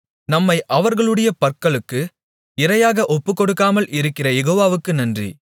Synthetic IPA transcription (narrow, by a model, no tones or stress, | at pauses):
nɐmːɐɪʔɐʋɐɾɣɐɭɯɽɐjɐpɐɾkːɐɭɯkːɯ | ɪɾɐjaːɣɐʔɔpːɯkːɔɽɯkːaːmɐlɪɾɯkːɪrɐjɛɣoːʋaːʋɯkːɯnɐndrḭ